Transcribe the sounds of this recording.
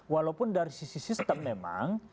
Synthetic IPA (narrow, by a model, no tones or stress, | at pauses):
walapʊndaɾisisisist̪əmːema̰ŋ